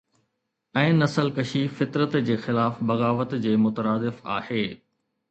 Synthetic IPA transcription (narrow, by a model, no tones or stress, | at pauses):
ɛ̃ːnɐsəlkɐʃifɪt̪ɾət̪d͡ʑeːxɪlaːfbɐɣaːʋət̪d͡ʑeːmʊt̪əɾaːd̪ɪfa̰ːheː